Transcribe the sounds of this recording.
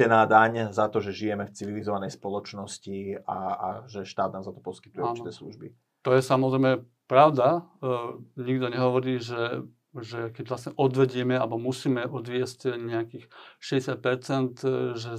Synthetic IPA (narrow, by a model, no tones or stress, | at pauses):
ɛnaːd̪aɲzat̪ɔʒɛʒijɛmɛft͡siʋilizɔʋanɛjspɔlɔt͡ʃnɔsciaaʒɛʃt̪aːd̪̚naːmzat̪ɔ̥pɔskit̪ujɛaːnt͡ʃ̪t̪ɛːslṵʒbi | t̪ɔjɛsamɔzɾɛɪmɛ | pɾaʊd̪a | ɲiɡd̪ɔɲɛɦɔʋɔɾiːʒɛ | ʒɛkɛɟʋlasɲɛʔɔd̪ʋɛɟɪɛmɛalbɔmusiːmɛʔɔd̪ʋɪɛscɲɛakiːxʃɛɟɛsjat̪̚pɛɾt͡sɛnt̪ʒɛ